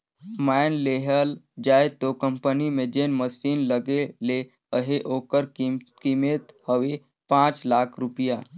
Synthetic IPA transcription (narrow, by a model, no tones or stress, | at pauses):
maɪnleɦəld͡ʒaːjt̪okəmpənimẽd͡ʒenməsinləɡele | əɦeʔoːkəɾkimet̪həʋe | pãt͡ʃlakʰɾupija